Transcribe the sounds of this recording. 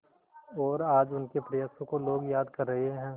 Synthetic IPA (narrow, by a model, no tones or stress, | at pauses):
ɔːɾaːd͡ʒʊnkepɾɐjək̚t̪õkoloːɡjaːd̪kɐɾːɐɦeɦɛ̃ː